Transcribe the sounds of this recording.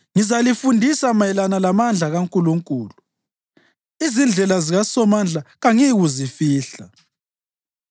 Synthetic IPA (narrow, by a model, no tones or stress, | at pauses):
ŋizalifundʱisamaɛlanalamand͡ɮʱaɣaŋkʼuluŋkʼuːlu | izind͡ɮʱɛlaziɣasɔmand͡ɮʱaɣaŋiɣuzifiːɬa